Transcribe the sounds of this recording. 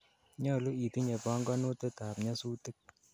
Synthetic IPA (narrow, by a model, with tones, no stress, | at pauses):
ɲɔ˦˨lu˦i˨ti˦ɲe˨pɔ˦ŋɡɔ˦no˦te˦taː˨pɲa˦suː˦ti˦k̚